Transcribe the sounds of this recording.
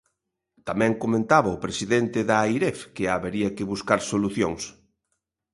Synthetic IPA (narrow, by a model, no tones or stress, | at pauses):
t̪amɛ̃ŋkomẽnt̪aβɐʊpɾesiðent̪ɪðaːjɾɛfkɪaβeɾiɐkɪβuskaɾsoluθjoŋs